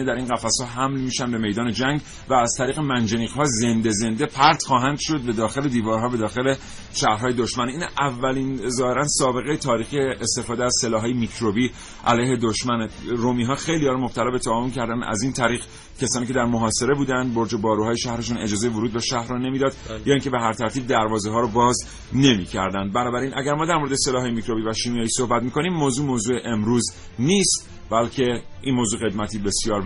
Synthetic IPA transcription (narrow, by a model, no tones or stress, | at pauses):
ed̪æɾiːnɢæfæshɒːɦæmlmiːʃænbe̞me̞jd̪ɒːne̞d͡ʒæŋɡ | væːz̥t̪ʰæɾiːɣe̞mænd͡ʒeniːʁhɒːze̞nd̪eze̞nd̪e̞pʰæɾd̪̥χɒːɦænd̪̥ʃo̞d̪̚be̞d̪ɒːxe̞le̞d̪iːvɒːɾɦɒːbe̞d̪ɒːxe̞le̞ | ʃæhɾɦɒːje̞d̪oʃmæninævːælinzɒːhe̞ɾænsɒːbe̞ɣe̞jet̪ʰɒːɾiːxieːst̪e̞fɒːd̪eæz̥se̞lɒːɦɒːjemikʰɾobiː | ʔæ̰læjhe̞d̪oʃmænɾomiːɦɒːxe̞jliɒɾmob̥̚t̪ʰælɒːbet̪ʰæːvoncʰæɾd̪ænæ̰zint̪ʰæɾiːɣ | cʰesɒːniːcʰe̞d̪æɾmoɦɒːse̞ɾe̞buːd̪ænd̪boɾd͡ʒebɒːɾuɦɒːjeʃæhɾeʃune̞d͡ʒɒːzejevoɾuːd̪beʃæhɾɔne̞mid̪ɒːd̪jɒːiːŋcʰe̞be̞ɦæɾt̪ʰæɾt̪ʰiːb̚d̪æɾvɒːzeɦɒːɾɔbɒːz | ne̞micʰæɾd̪ænd̪̚bænɒːbæɾiːnʔæɡæɾmɒːd̪æɾmoɾed̪ese̞lɒːɦːjemicɾo̞biːvæʃiːmijɒːjiːso̞hbæt̪̚miːkʰo̞niːmːoːzuːmoːzuːeʔemɾuːz | niːst̪ | bælcʰe̞ʔinmozuːɣe̞d̪mæt̪ʰiːbe̞sjɒːɾ